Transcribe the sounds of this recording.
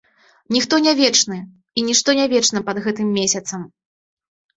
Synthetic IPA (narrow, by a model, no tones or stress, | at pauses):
nʲixt̪ɔnʲavʲɛt͡ʂnɨ | inʲiʂt̪ɔnʲavʲɛt͡ʂnɐpɐd̪ɣɛt̪ɨmːʲesʲɐt̪sɐm